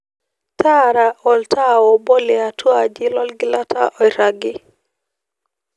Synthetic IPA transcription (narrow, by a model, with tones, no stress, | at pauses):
ta˦ɾa˨ʔɔ˨lta˦o˨bɔ˦lɛ˨a˨tʰwa˨d͡ʒɪ˦lɔ˦lɡɪ˦la˦tʰa˦ʔɔ˨jɾa˨ɡɪ˦